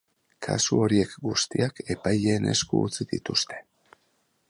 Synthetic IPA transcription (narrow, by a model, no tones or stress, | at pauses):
kʰa̰suo̞ɾie̞kɡust̪iake̞pajeːne̞̰skuːt͡siðḭt̪ust̪e̞̥